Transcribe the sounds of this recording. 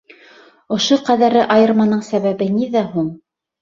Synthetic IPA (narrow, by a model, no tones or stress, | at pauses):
ŏʃoqæðæɾɘʔɑjɤ̆ɾmɑnɤɴsæβæβɘniðæɦuɴ